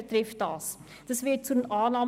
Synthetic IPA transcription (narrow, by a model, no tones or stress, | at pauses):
ətrɛfdɑːs | d̥əsviət͡suənʔɑːnɑːm